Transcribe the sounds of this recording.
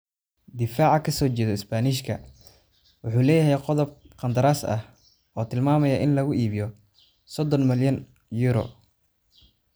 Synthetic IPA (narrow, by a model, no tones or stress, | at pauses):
d̪ɪfaːʕɑkʰɐsɔːt͡ʃɛːðɔɪsbaːniʃkʰɐ̰ | wʊħuːlɛːjɐɦɛjqɔðɔb̚ | qɐnd̪ɐɾaːsɐ̰h | ʔɔːt̪ʰɪlmaːmɐjɐʔɪnlɐɣʊʔiːβɪjɔ | sɔd̪ɔnmɪljɐn | juɾɔ̰